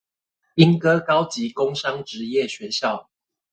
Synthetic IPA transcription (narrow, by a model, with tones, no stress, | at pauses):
i˦nkɤ˥˦kɑ˥˦ʊt͡ɕi˨˦ko˥˦ŋʂɑ˥˦ŋʈ͡ʂɻ̩˨˦jɛ˥˨ɕɥɛ˨˦ɕjɑ˥˨ʊ